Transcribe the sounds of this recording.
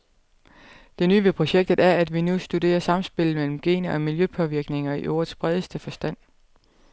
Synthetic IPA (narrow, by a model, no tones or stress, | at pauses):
d̥e̝ny̰ːʋepʰʁo̝ɕeɡ̥̚d̥ð̩ˠæɐæd̥ʋinusd̥ud̥e̝̰ːɐsɑ̈m̩sb̥e̝lð̩ˠmel̰m̩ɡ̥e̝̰ːnɐʔɒ̽miljøpʰɒ̽ʋiɐɡ̥ne̝ŋɐiʔo̰ːɐðˠsb̥ʁɛð̞ˠəsd̥əfɒ̽sd̥æn̰